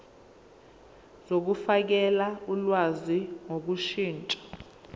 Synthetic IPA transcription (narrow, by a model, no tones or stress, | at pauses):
zok̬ufak̬ɛlaulwaziŋok̬uʃiːnt͡ʃʼḁ